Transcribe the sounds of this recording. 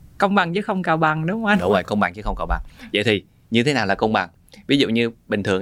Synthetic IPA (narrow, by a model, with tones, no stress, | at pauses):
kə˧wŋ͡mɓa˨˩ŋt͡ɕɨ˨˦xə˧wŋ͡mkaː˨˩wɓa˨˩ŋɗʊ˨˦ŋ͡mʔa˧ɗʊ˨˦ŋ͡mə˨˩jkə˧wŋ͡mɓa˨˩ŋt͡ɕɨ˨˦xə˧wŋ͡mkaː˧˩wɓa̰˨˩ŋzə̰˧˨t̪ʰi˨˩ | ɲɨ˧t̪ʰe˨˦naː˨˩wlaː˨˩kə˧wŋ͡mɓa˨˩ŋ | vi˨˦zṵ˧˨ɲɨ˧ɓï˨˩ŋ̟t̪ɨ˨˩əŋ